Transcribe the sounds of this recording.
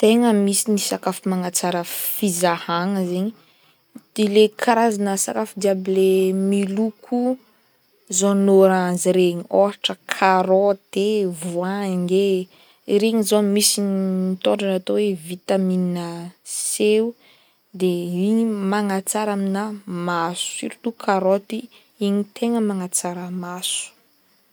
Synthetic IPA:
t̪eŋəmisinisakafimaŋat͡saɾəfizahaŋəzeɲi | d̪̥ilekʰaɾazanəsakafid̪iablemilukʰu | zonoɾaziɾeɲoaʈ͡ʂəkʰaɾot̪evuaŋe | ɾeɲizomisinit̪oɳɖ͡ʐanat̪owevit̪amininəseu | d̪eiɲimaŋat͡saɾaminamasu̥ḭɾut̪ukʰaɾot̪i | iɲit̪eŋəmaŋat͡saɾəmasu̥

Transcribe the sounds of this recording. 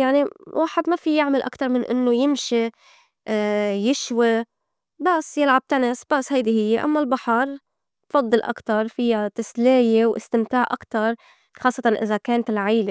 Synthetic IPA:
jaʕniwʔaːħɪd̪mafijɪʕmalʔa̰kt̪ɑɾˤmɪnʔɪ̰nːojɪmʃi | jɪʃwi | basːjɪlʕab̚t̪anɪsb̥asːhajd̪ihɪjːeʔa̰mːalbaħɑɾˤ | fɑd̪ˤːɨlʔa̰kt̪ɑɾˤfɪjat̪ɪsleːjewʔɪ̰st̪ɪmt̪aːʕʔakt̪ɑɾˤ | xɑːsˤːɑt̪ɑnʔɪ̰zakeːnt̪ɪlʕajːle

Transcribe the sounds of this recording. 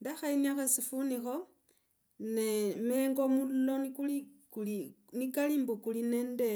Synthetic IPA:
ndaxainiaxesifunixo | nemeŋɡomullonikulikuli | nikaliːmbukulinende

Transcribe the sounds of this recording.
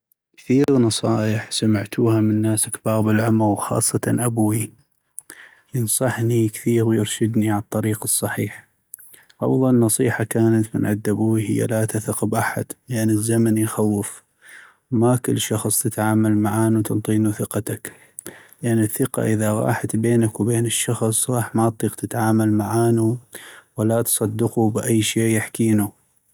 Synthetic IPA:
kθiːɣnɑsˤɑːjɪħsamɪʕt̪ʰuːhamɪnːaːsakbaːɣbɪlʕʊmɣwxɑ̰ːsˤːɑt̪ɑnʔabwi | jɨnsˤɑħnikθiːɾwjɪɾʃɪd̪niʕat̪ˤːɑɾiːqɨsˤːɑħiːħ | ʔɑ̰fðˤɑlnːɑsˤiːħakaːnat̪mɪnʕad̪ːabuːwihɪjːa̰lat̪aθaqbʔaħa̰d̪̥lɪʔanːɪzːamanjxawːɪf | makʊlːʃɑxsˤt̪ɪt̪ʕaːmalmaʕaːnut̪ɪnt̪ˤiːnuθɪqat̪ak | lɪʔanːɪθːɪqa̰ʔɪðaɣɑ̰ːħat̪beːnakwbeːnɪʃːɑxsˤɣˤɑːħmat̪ˤːiːqt̪ɪt̪ʕaːmalmaʕaːnuwalːat̪sˤɑd̪ːɪqubʔajːʃeːʔjaħkiːnu

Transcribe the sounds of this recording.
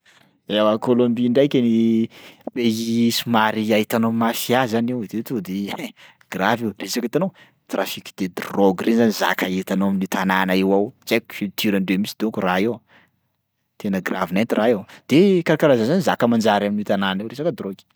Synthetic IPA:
awakolombiɳɖ͡ʐajkʲani | bejisumaɾiaɦit̪anomasiazanewd̪et̪ud̪e | ɡ̥ravewresakit̪anow | t̪rafiki̥d̪̥ed̪roɡrenzaniza̰kaet̪anoaminut̪ananaewawt͡sakfilt̪ʰiɾanɖ͡ʐemisid̪okuraew | t̪enəɡravinent̪irʔaewd̪̥ekaɾakaɾazanzanizakəmand͡ʒaɾaminit̪ananewɾesakəd̪roɡi̥

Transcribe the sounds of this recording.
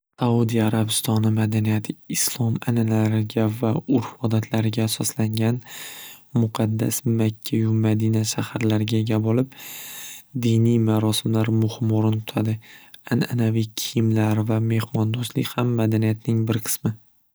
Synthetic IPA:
saud̪ijaɾabɪst̪ɒnɪmad̪anijat̪ʰɪːslˠɒmanalaɾɪɡʲavaʊɾfɒd̪at̪ʰlaɾɪɡʲaːsɒslaŋɡʲan | mʊqʰɑd̪ːa̰smakʲʰːajʊmad̪inaʃahaɾlaɾɪɡʲaeɡʲabɒlɪp | d̪ijnijmaɾɒsɪmlaɾmʊhɪmoɾɪnt̪ʰʊ̥t̪ʰad̪ɪanʔanavikʲʰɪjɪmlaɾvame̞hmɒnd̪ost̪lɪ̰kʲhamːad̪anijat̪̚nɪŋbɪɾqʰɨ̥smɪ

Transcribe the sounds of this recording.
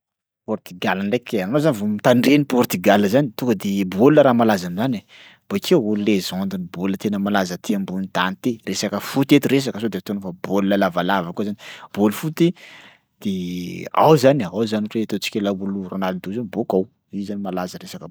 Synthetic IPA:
pɔrt̪yɡalanlekeanozanivomit̪aɳɖ͡ʐenipɔrt̪yɡaləzanit̪ukəd̪eboluəɾamalazanizana | b̥okʰeullezɔnd̪inibolət̪enəmalazət̪eambunid̪̥ant̪eresakəfut̪et̪iɾes̬akəsod̪et̪onəfab̥oluləlavalavəkuozani̥b̥olfut̪i | d̪̥ea̰wzanaawzaniʈ͡ʂet̪ot͡si̥kʲelabuluranalid̪uzanibokaw | izanimalazəɾesakə

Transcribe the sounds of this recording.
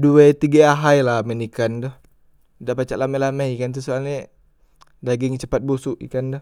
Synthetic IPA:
duɛt̪iɡaaɦajlamɛnikand̪ʊh | daʔpat͡ʃa̰ʔlamɛlamɛikant̪̬usoalɲe | daɡɪŋt͡ʃəpat̪̚busʊʔḭkand̪ʊh

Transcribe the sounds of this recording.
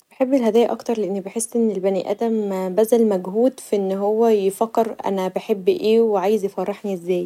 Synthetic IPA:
beħebːelɦæd̪æːjæʔɑkt̪ɑɾˤleʔenːibeħesːʔenːelbæniʔæ̰ːd̪æmbæzælmæɡhuːd̪fiʔenːɦowːæjefækːeɾʔæ̰næbeħebːʔeːweʕaːjezjefɑrˤːeħniʔezːæːj

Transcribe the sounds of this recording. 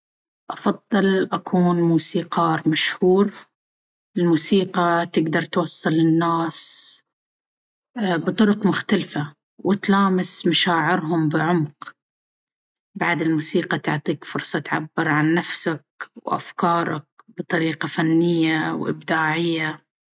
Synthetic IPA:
ʔɑfɑðˤːɨlʔakʰuːnmuːsiːqɑːɾˤmaʃhuːɾ | ɪlmuːsiːqɑt̪ɪɡd̪ɑɾˤt̪wɑsˤːɨlɪnːaːs | bɨt̪ˤʊɾʊqmʊxt̪alfa | wɪt̪laːmɪsmaʃaːʕɪɾɦʊmbɪʕʊmq | baʕd̪ɪlmuːsiːqɑt̪ʊʕt̪ˤiːkfʊɾsˤɑt̪ʕa̰bːɪɾʕanːafsak̚wʔa̰fkɑːɾˤɑ̰k̚bɨt̪ˤɑɾiːqafanːɪjːawʔɪ̰bd̪aːʕɪjːa

